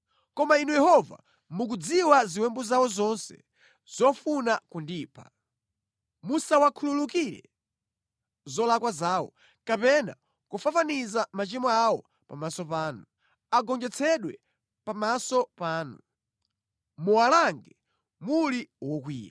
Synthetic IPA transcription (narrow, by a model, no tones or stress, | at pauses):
kɔmainujɛhɔva̰ | muk̬ud͡ziwaziwɛmbuzawɔzɔnsɛ̰ | z̥ɔfunakundiːpʰa̰ | musawakʰululuk̬iɾɛ̰ | zɔlakwazaːwɔ̰ | kapɛna̰ | kufafanizamat͡ʃimɔawɔ | pamasɔpaːnu | aɡɔnd͡ʒɛt͡sʰɛɗwɛ | pamasɔpaːnu | muwalaŋɡɛ | muliwɔk̬wḭːja